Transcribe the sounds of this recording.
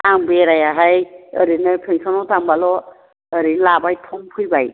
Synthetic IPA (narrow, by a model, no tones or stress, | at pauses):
aŋbeɾajaɦajə̰ɾinɯpʰeŋsɔnɔwtambalɔ | əɾinlabajtʰɔmpʰujbaj